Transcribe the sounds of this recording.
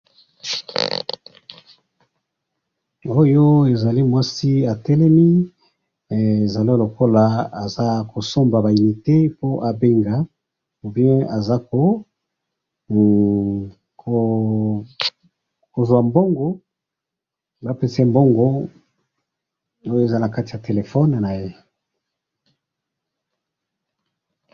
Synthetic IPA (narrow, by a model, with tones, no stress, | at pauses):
o˦jo˦e˨za˨li˦mwa˦si˦a˨tɛ˦lɛ˦mi˦˨ | e˨za˨li˦lo˨ko˦la˨a˨za˦ko˨so˦mba˨ba˨i˨ni˨te˦po˦ʔa˨be˦ŋɡa˨ | u˨bjɛ̃˦a˨za˦ko˨ | ko˨ | ko˨zwa˨mbo˦ŋɡo˦ | ba˦pe˨sɛ˦mbo˦ŋɡo˦ | o˦jo˦e˨za˦na˨ka˦ti˨ja˨te˨le˨fɔ˦n˨na˨je˦